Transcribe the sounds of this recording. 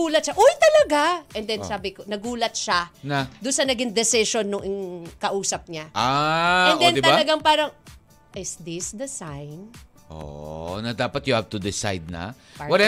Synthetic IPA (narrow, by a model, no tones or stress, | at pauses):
uːlɐt̪ʃaʔojt̪ɐlɐɡaʔɛnd̪ɛnsaːbɪkonɐɡuːlɐt̪̚ʃanɐd̪ʊnsɐnɐɡɪŋd̪ɛsɪʃonːʊŋʔɪŋkɐʔuːsɐp̚ɲaʔaɛnd̪ɛnɪt̪ɐɐɡaŋpaːɾɐŋ | ʔɪsd̪ɪsd̪ɐsajn | ʔo̰nɐd̪aːpɐt̪̚jʊhavt̪ʊd̪ɪsa̰jd̪̚nɐ̰ | pwɐɾɛ